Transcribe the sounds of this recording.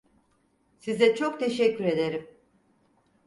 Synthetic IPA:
sizɛt͡ʃʰo̞kt̪ʰeʃɛcːyɾe̞d̪e̞ɾim

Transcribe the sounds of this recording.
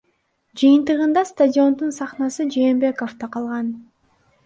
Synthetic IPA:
d͡ʒɯjɯnt̪ɯʁɯnd̪ɑst̪adʲɪo̞nd̪unsɑχnɑsɯd͡ʒe̞ːmbe̞ko̞ft̪ɑqʰɑlˠʁɑn

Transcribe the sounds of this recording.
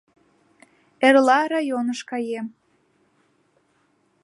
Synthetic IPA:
erlɑɾɑjonəʃkɑjem

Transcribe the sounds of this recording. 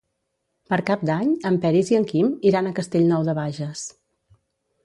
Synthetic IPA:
pəɾkap̚d̪aɲəmpɛɾiziəŋkimiɾanəkəst̪eʎnɔwðəβaʒəs

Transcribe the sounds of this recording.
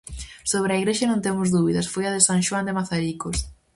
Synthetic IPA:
soβɾeɐiɣɾeʃɐnõnt̪emʊzðuβiðɐsfojɐðɪsaŋʃwand̪emaθaɾikos

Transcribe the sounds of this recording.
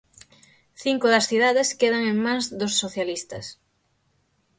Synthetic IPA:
θiŋkʊðɐsθiðaðeskeðɐŋeŋmãŋzðosːoθjalist̪ɐs

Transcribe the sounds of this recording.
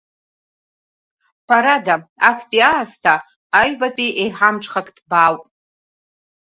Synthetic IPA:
pʰaɾadaakʰpʼiaːstʰaː | ɥbatʼiʔejħamʈ͡ʂʰʷʼχakʼdbaːwpʼ

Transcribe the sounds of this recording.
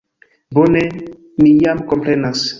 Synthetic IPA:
bone | mijamkompɾenas

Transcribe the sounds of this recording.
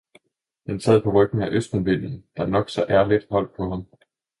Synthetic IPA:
d̥ensɛð̰ˠpʰɒ̽ʁœɡ̥n̩æʔøsd̥ænb̥e̝n̰n̩d̥ɑ̈nɒ̽ɡ̥sɒ̽ʔæɐlid̥hɒ̽l̰d̥̚pʰɒ̽ɦɑ̈m

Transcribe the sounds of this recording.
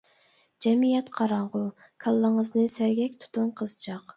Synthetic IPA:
d͡ʒɛmijɛt̪qʰɑɾɑɴʁʊ | kʰɑlˠːəŋəznɨsæɾɡʲɛk̚ʲt̪ʰu̥t̪ʰunqʰəzt͡ʃʰɑq

